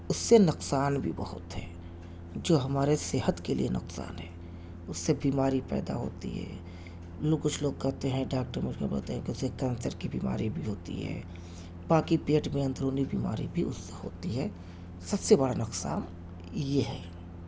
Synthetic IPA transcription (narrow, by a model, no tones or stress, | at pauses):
ʊsːenʊqsaːnbʱḭbɐhʊ̰t̪ɦɛ̰ː | d͡ʒoːɦɐmaːɾeseɦət̪kelḭenʔʊ̰qsa̰ːnɦɛː | ʊsːebiːmaːɾipɛ̰ːd̪a̰ɦo̰ːt̪ḭɦɛ̰ː | loːɡkʊt͡ʃʰloːɡkɛɦt̪eɦɛ̃ɖaːk̚ʈəɾmekebə̰lt̪eɦɛ̃kɪʊsekɛ̃ːnsəɾkibḭːma̰ːɾibʱiɦoːt̪ḭɦɛ̰ː | baːkipeːʈmẽɐ̃nd̪ɾoːnibiːma̰ːɾḭbʱiʊsːeɦo̰ːt̪iɦɛː | sɐbsebəɽanʊqsa̰ːn | jeɦɛ̰ː